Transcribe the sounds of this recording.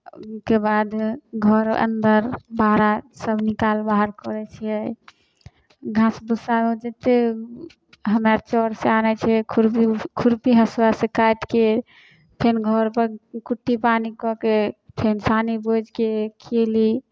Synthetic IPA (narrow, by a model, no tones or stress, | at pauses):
kebad̪ɡʱɔɾə̰nd̪əɾbaɾasəbnikalbaɦəɾkɔɾɛt͡ʃʰijɛ | ɡʱãsbusamed͡ʒet̪e | ɦəmaɾt͡ʃɔɾseanɛt͡ʃʰɛkʰuɾikʰuɾpiɦəswasekajt̪ke | pʰenɡʱɔɾpəɾkuʈːipanikɔkepʰensanibod͡ʒkekʰeli